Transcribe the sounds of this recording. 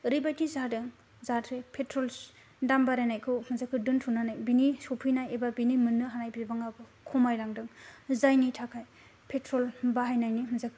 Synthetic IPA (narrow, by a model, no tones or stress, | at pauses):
ɾibajtizadɯŋ | zatʰɾepʰetʰɾɔl | dambaɾajnajkʰɯwmɯzakʰːɯdɯntʰunanajbinisɔpʰɯjnajebabinimɯnːɯɦanajbibaŋabɯkʰɔmajlaŋdɯŋzajnitʰakʰaj | pʰetɾɔlbaɦajnajnimɯzakʰɯ